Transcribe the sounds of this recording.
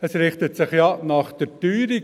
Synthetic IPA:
ɛsɾɪχtətsɪχjɑnɑχd̥əɾtyːɾi

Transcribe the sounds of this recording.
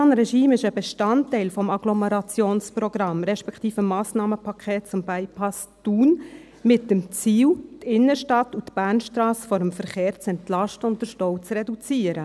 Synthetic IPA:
ɑnɾɛʃiːmɪʃəbeʃtɑntːæɪlfɔmɑɡ̥lɔmɛɾɑt͡sjoːnsprɔɡɾɑmɾɛʃpɛktiːfəmːɑːsnɑːməpʰɑkʰχɛːtt͡sʊmbæɪpʰɑsd̥uːn | mɪt̚dəmt͡siːwtɪnːəʃtɑtutb̥æɾnʃtɾɑːsfɔɾəmfəɾχeːɾt͡sɛntlɑʃtəʊnt̚d̥əɾʃtɔwt͡srɛdut͡siːəɾə

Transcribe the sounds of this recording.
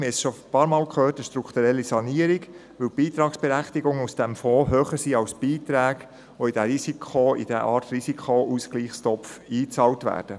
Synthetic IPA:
mɪɛsʃopɑːɾmɑːlkʰøːtəʃtɾukt̪uɾɛlːisɑniəɾiɡ | ʋɵwb̥iːt̪ɾɑːksb̥ɛɾæχtiɡʊŋusd̥ɛmfɔːɦøːχəɾsiːɑwsb̥iːtɾæːɡ̥ | ʋoid̥æɾisikʰχoḭd̥ɛ̰ʔɑːɾtɾisikʰχoʔuskliːχstɔpfiːt͡sɑːltʋæ̰ːɾd̥ə

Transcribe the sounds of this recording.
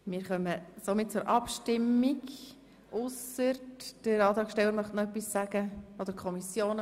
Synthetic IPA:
mɪːɾχœməsomɪt̚t͡sʊɾʔɑpʃtɪmːiɡ | ʔʊsəɾtd̥əɾɑːt̪ɾɑːkʃtɛlːəɾmœχtnɔœpːisːæɡ̥əod̪əɾkʰχɔmisjoːn

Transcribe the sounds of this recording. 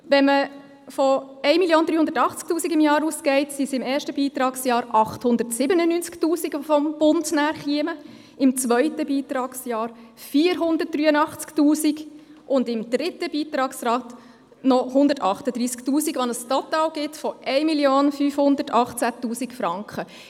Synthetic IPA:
ʋɛnmə | fɔ | ɛɪmiljoːnd̪ɾyːʊndə̥tɑχt͡sk̚tuːsiɡɪmjɑːɾuːskɛɪtsisɪmɛːʃtəbiːtɾɑːksjɑːɾʔɑχthʊndətsɪbənənyːnt͡sktuːsiɡfɔmb̥ʊndnæːɾχiəmə | ɪmt͡sʋœʏtəbiːtɾɑːksjɑːɾfiːəɾɦʊndərt̚d̥ɾyːənɑχt͡sktuːsiɡʔʊndɪmd̥ɾɪtəb̥iːtɾɑːksɾɑːt | nɔhʊndətɑχtəd̥̪ɾiːsktuːsiɡʋɑnəstɔtɑːlɡɪtfɔʔɛɪmiljoːnfyːfhʊndəɾtɑχt͡sætuːsikfɾɑŋkχə

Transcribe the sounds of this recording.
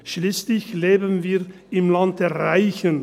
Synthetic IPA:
ʃliːslɪçleːbənviː | ɪmlant̚d̥ɛɐʁaɪçən

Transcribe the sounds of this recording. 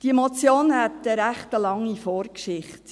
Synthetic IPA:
d̥iemot͡sjoːnhɛt̪əɾæχtəlɑŋːifoːɾkʃɪχt

